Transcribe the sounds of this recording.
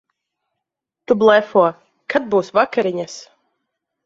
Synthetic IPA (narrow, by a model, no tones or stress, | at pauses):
t̪ublˠɛfuɔ | kad̪̚buːsvakaɾiɲas